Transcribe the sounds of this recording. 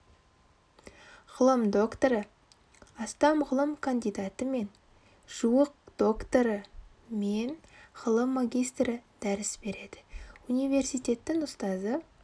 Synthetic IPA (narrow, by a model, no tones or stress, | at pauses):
ʁ̥əlˠəmd̪o̞kt̪oɾə | ɑst̪ɑmʁʊlˠəmkʰand̪ijd̪ɑt̪əme̞n | ʒ̥uəq̚d̪̥o̞kt̪oɾə | me̞nʁəlˠəmːaɡʲijst̪rəd̪̥æɾɪsbe̞ɾe̞d̪ɪ̥unijve̞rsijt̪ʲe̞t̪ːɪŋʊst̪ɑzə